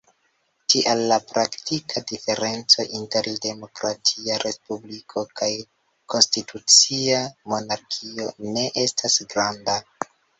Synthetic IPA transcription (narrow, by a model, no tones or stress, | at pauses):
tiʔalːapɾaktikʰadife̞ɾe̞nt͡so̞ʔinte̞ɾde̞mo̞kɾatʰiaɾʔe̞spublikʰo̞kaj | ko̞nstitʰut͡siamo̞naɾkʰio̞ne̞ʔe̞stʰasɡɾanda